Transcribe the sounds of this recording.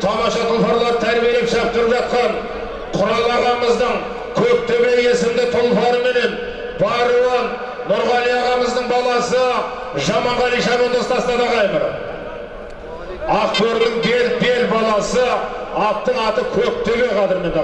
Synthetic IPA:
t̪ʰɑmɑʃɑt̪ʰʊlˠpɑɾlˠɑɾt̪ʰæɾbije̞lepʃɑp̚t̪ʊɾəpʒɑt̪̚qɑn | qʰʊɾɑlˠɑʁɑməzd̪əɴ | kʲʰɵk̚t̪ʰøbee̞sɪmd̪ɪt̪ʰʊlˠpɑɾəme̞ne̞n | bɑɾuwɑnː | ʊɾʁɑlijɑʁɑməzd̪əɴbɑlˠɑsə | ʒɑmɑɴʁɑlijʃɑmend̪ost̪ɑsənɑd̪ɑʁɑjʁəɾ | ɑqt̪øɾd̪ɪŋbe̞lbe̞lbɑlˠɑsəɑp̚t̪ːəɴɑt̪əkʲʰɵk̚t̪ʰøβeqʰɑd̪ɪɾme̞nd̪

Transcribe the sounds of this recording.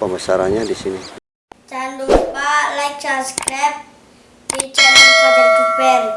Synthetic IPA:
pəmbəsaɾaɲadisini | t͡ʃand̪upalajk̚saskɾɛf̚ | dit͡ʃan | bɛl

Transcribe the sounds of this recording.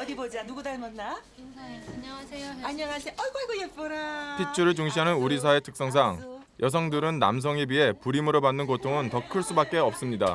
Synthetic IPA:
ʌdibod͡ʑanuɡudaɭmʌnːa | aɲʌŋasʰeʔʌɡoɭɡojek̚p͈ʌɾatʰit͡ɕʰuɾɯɭt͡ɕuŋɕʰiɦanɯnuɾis̬ʰae̞tʰɯ̥k̚s͈ʌŋs̬ʰaŋ | jʔʌs̬ʰʌŋdɯɾɯnːa̰ms̬ʰʌŋibie̞puɾimɯɾobanːɯnkotʰoŋɯntʌkʰɯɭs͈ubak̚k͈e̞ʌp̚s͈ɯmɲida

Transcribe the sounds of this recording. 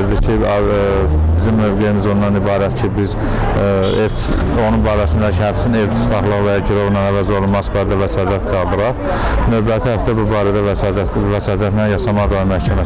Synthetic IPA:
ɾd̪icʰi | bizimːø̞vɡejimizonːɑnibɑːɾæt̪cʰibiz | ef | o̞nunbɑːɾæsind̪ɑcʰihæbsinevt̪ʰi̥slɑχlˠɯʁvæjɑɟyɾoʁnɑnævæzolˠunmɑsbɑːɾd̪ævæsɑːd̪æt̪ɡɑlˠd̪ɯɾɑʁ | nøvbæt̪ʰihæft̪æbubɑːɾæd̪ævsd̪ævæsɑːd̪æt̪nænjɑʃɑmɑd̪ɑʁmæhcʰæmæ

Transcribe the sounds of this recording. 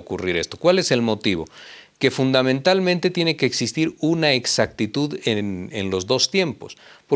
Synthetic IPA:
okuriɾe̞st̪o̞̥kwale̞se̞lmo̞t̪iβ̞o̞̰ke̞fund̪amẽnt̪almẽ̞nt̪e̞t̪je̞ne̞ke̞ːksist̪iɾunaeksakt̪it̪uðenenlo̞zðo̞st̪je̞mpo̞spo

